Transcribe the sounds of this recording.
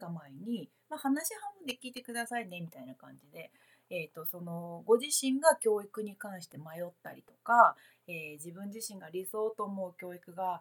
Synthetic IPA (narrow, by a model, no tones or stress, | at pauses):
kamaeɲ̟i | mahanaɕihãmbɯ̟nd̪e̞kʲiːt̪e̞kɯ̟d̪asaine̞mʲit̪ainakã̰ɲ̟d͡ʑid̪e̞ | et̪ːo̞so̞no̞ɡo̞ʑiɕĩŋɡakʲo̞ːikɯ̟ɲ̟ikãɰ̃ɕi̥t̪e̞majo̞t̪ːa̰ɾʲit̪o̞ka | eːd͡ʑibɯ̟̃ɲ̟d͡ʑiɕĩŋɡaɾʲiso̞ːt̪o̞ːmo̞ɯ̟kʲo̞ːikɯ̟ɡa